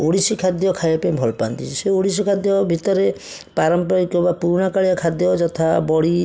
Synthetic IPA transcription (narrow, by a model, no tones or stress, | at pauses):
oɽisikʰad̪jɔkʰajɔpebʱɔlpant̪it͡ʃʰiseoɽisikʰad̪jɔbʱit̪ɔɾe | paɾɔmpɔikɔbapuɾɳ̃ɔkaɭijakʰad̪jɔd͡ʒɔt̪ʰabɔɽi